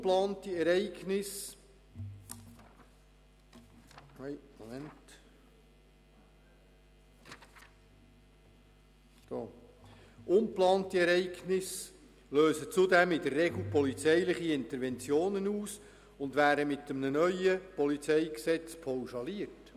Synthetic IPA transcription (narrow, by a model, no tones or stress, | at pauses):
plɑːntiɛɾɛɪɡnɪs | ɛmomɛnt | d̥oː | ʔʊnplɑːntiɛɾɛɪɡnɪs | løːsət͡sʊdɛmɪdərːɛɡl̩ˠpɔlit͡sɛɪlɪχiɪnt̪əɾʋɛnt͡sjoːnənuːs | ʊnd̪væːɾəmɪtːəmnənœʏəpɔlit͡sɛɪksɛt͡spʰɔwʃɑliərt